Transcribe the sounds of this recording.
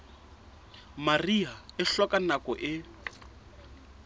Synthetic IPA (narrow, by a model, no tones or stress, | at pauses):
mariaɪɬɔkʼanakɔʔɪ